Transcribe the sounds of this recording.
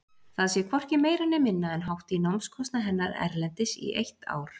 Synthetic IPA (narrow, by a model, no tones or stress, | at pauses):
θaðsjɛkʰvɔr̥cɪmeːjɾanːɪmɪnːaɛnɦawht̪inowmskʰɔst̪naɦɛnːaɾɛ̰ɾlɛnt̪ɪsḭʔejht̪a̰ːwɾ̥